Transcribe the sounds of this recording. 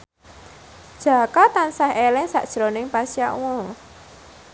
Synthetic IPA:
d̥ʒ̥a̤kat̪ansahelɛŋsa̰ʔd̥ʒ̥ɾonɪŋpasijaʔwo

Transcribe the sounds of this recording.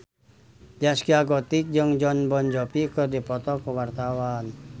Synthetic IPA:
d͡ʒaskiaɡɔt̪ik̚d͡ʒəŋd͡ʒɔnbɔnd͡ʒɔpikərdipɔt̪ɔkəwart̪awan

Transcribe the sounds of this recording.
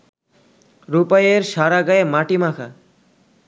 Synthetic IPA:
ɾupajeɾʃaɾaɡaemaʈimakʰa

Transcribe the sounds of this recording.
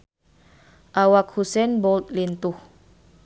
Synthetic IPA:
ʔawak̚husɛnbɔlt̪̚lint̪ʊh

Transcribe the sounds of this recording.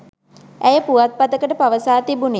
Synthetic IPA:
æjəpuʋat̪̚pat̪əkəʈəpaʋəsaːt̪ibune

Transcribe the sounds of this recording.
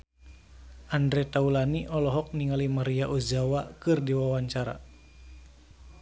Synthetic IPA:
ʔandɾɛt̪aulaniʔɔlɔɦɔk̚niŋalimaɾiaʔuzawakɨrdiwawaɲt͡ʃaɾa̰

